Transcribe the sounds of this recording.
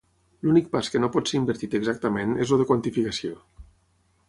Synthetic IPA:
lunik̚paskənopɔt̪seimbəɾt̪it̪əɡzak̚t̪əmenezuðəkwant̪ifikasio

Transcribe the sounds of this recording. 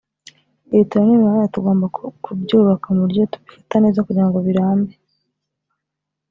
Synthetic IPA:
eituɾanimaɾajatuɡo̞ːmbakʰubɟuːβakamuɾɟo̞tu̥βifḁtane̞ːzakuɟiɾaŋɡoβiɾaːmbe

